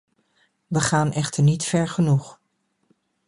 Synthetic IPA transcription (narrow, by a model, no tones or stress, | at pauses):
ʋəχaːnʔɛχtəɹnitfɛɹχənuχ